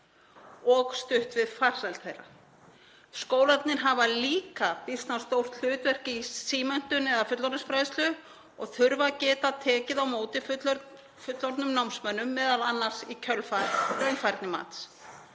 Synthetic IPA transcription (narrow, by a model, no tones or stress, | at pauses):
ɔɣst̪ʏht̪vɪðfar̥sajlt̪θejrːa̰ | skoːwlat̪nɪɾɦavaliːkapɪr̥st̪nast̪owr̥t̪l̥ʏːt̪vɛr̥cɪisiːmœn̥t̪ʏnɛðafʏt̪lɔɾnʏ̥sfɾajðst̪lʏ | ɔɣθʏɾvacɛːt̪at̪ʰɛːcɪðawmoːwt̪ɪf | fʏt̪lɔɾt̪nʏmnawmsmœnːʏmːɛːðalanːar̥sicʰœlfaɾrœɥnfajɾt̪nɪma̰ːt̪s